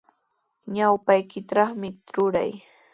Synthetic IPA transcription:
ɲawpajkɪt̪ɑχmɪɾʊɾa̰j

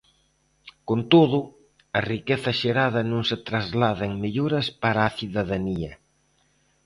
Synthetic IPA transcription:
kont̪oðʊ | ɐrikeθɐʃeɾaðɐnõŋset̪ɾazlaðɐeŋmeʎuɾɐspaɾaːθiðaðaniɐ

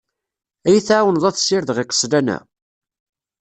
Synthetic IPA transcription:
æjəθaʕwənðˤɑθsɪɾðʁækːə̥slænæ̰

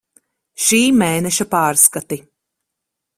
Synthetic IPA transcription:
ʃiːmeːnɛʃɐpaːɾskat̪i

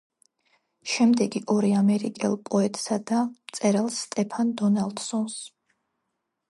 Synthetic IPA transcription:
ʃɛmd̪ɛɡiʔɔɾiamɛɾikʼɛ̰lˠpʼɔɛt̪ʼsad̪amt̪sʼɛɾalˠsːt̪ʼɛpʰand̪ɔnalˠd̪sɔns

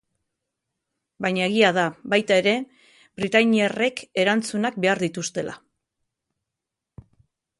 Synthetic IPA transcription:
bajɲae̞ɣ̞iaðaβajt̪ae̞ɾe̞ | bɾit̪aɲiere̞ke̞ɾant͡sunak̚be̞aɾðit̪ust̪e̞la̰

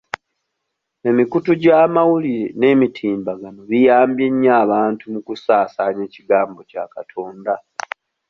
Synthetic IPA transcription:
e̞mikutuɟaːmawuliɾe̞ne̞ːmitʰiːmbaɡano̞βijaːmbje̞ɲːaːβaːntumukusaːsaːɲe̞ːciɡaːmbo̞ca̰katʰo̞ːnda

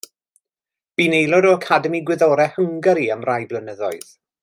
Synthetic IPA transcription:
b̥inejlˠɔdɔəkʰadəmiɡwɪðɔɾɛhəŋɡəɾiamrajblˠənəðɔɨð̥

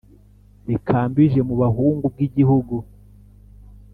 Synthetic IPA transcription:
ikʰaːmbiʒe̞muβaɦuːŋɡub̚ɡiɟihuɡu

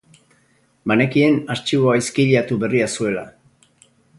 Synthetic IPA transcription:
mane̞kie̞nast͡ʃiβo̞ajskiʎat̪uβe̞riasue̞la

